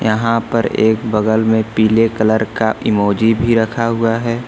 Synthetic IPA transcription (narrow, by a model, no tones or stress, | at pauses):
jəɦãpəɾeːkbəɡəlmẽpiːlekələɾkaɪmoːd͡ʒibʱiɾəkʰaɦʊaɦɛː